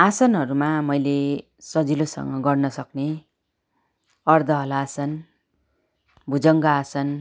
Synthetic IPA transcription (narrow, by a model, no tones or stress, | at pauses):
asʌnɦʌɾumamʌjle | sʌd͡zilosʌ̰ŋɡʌɡʌrnʌsʌkne | ʌrd̪ʱʌɦʌlaasʌn | bʱud͡zʌŋɡaasʌn